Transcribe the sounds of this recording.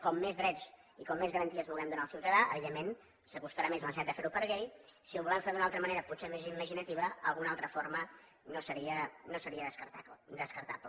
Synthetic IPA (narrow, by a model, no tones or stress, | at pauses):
kɔmːezβɾɛt͡ʃ | ikɔmːezɣəɾənt̪iəzβulˠɡɛmd̪unaəlˠsiwt̪əðaʔə̰βiðemːen | səkust̪əɾamezmənsat̪̚d̪əfeɾupəɾɣejsiuβulɛɱfeɾðunalˠt̪ɾəməneɾəput̪semeziməʒinət̪iβəə̰lˠɣunalˠt̪ɾəfoɾmə | nosəɾiənosəɾiəðəsət̪ad̪əskəɾt̪a̰plə